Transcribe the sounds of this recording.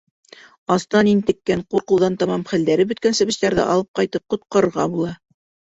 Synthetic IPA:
ɑst̪ɑnint̪ɘ̆kːæɴquɾqŭlˠðɑnt̪ɑmɑmχæ̆ld̪æɾɘbɵ̆t̪̚kænsɘ̆bɘ̆ɕt̪æɾðɘ̰ʔɑ̰lˠɤp̚qɑjt̪ɤp̚qŏt̪̚qɑ̆ɾɤ̆ɾʁɑbulˠɑ

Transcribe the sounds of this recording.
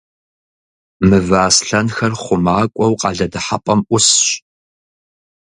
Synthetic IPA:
mɨvaːsɬɐnxɐrχʷʊmaːkʷʼɔwqʼɑːɮɐdɨħapʼɐmʔʷʊsɕ

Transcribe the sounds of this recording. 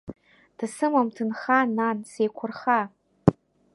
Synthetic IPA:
d̥asɨmamtʰɨnχanansejkʷʰʊrχa

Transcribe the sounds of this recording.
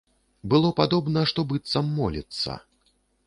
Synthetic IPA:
bɨlˠɔpad̪ɔbnɐʂt̪ɔbɨt̪sɐmːɔlʲḭt̪sːɐ̰

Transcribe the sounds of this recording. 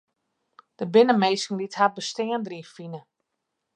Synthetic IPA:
d̥əbɪnəmejsŋ̩lithabəstɪəndriːfinə

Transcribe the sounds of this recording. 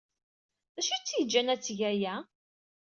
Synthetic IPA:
ðæʃit͡sːjəd͡ʒːænæt͡sːʝæjæ

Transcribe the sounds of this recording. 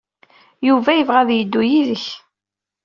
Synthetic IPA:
juvæjəvʁæðjəd̪ːujiðəç

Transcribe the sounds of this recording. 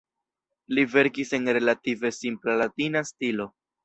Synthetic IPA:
live̞ɾkise̞nɾe̞lative̞simplalatinastilo̞

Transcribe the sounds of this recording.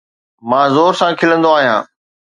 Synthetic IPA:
mãːzoːɾsãkʰɪlə̃nd̪oaːɦijã̰ː

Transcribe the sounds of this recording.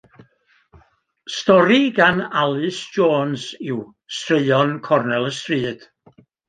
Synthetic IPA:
stɔɾiɡanalˠɨsd͡ʒoːnzɪw | streɨɔnkʰɔrnɛlˠəstriːd̥

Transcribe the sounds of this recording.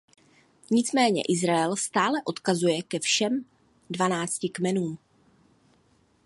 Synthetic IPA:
ɲɪt͡smɛːɲɛ̰ʔɪzɾaɛlst̪aːlɛʔo̞t̪kazujɛkɛfʃɛm | dvanaːt͡scɪkmɛnuːm

